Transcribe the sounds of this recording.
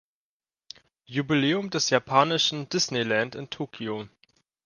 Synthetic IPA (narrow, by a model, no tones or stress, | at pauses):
jubileːʊmdɛsjapʰaːnɪʃn̩dɪsnelantɪntʰoːkʰio